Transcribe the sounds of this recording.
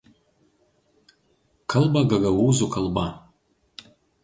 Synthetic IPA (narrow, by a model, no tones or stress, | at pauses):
kʰɨlbaɡaɡawuzukʰəlba